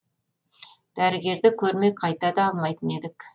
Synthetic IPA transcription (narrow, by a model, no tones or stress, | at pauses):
d̪̥æɾɪɡʲe̞ɾd̪ɪkʲʰɵɾme̞qʰɑjt̪ɑd̪ɑɑlˠmɑjt̪əne̞d̪ɪk